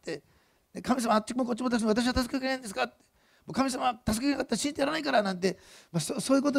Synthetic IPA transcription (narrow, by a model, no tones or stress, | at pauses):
t̪ːe̞ | nekamʲis̬amaːt̪t͡ɕːikɯmokot͡ɕːimot̪aksnat̪aɕ̬iβat̪asɨ̥kekenãĩnd̪esɨ̥kat̪ːe̥ | moːkamʲisamat̪asɨ̥kekenakat̪ːaɾaɕĩnt̪ejaɾanaikaɾanãnt̪̬e̞masosoːjɯ̟ko̞t̪̬o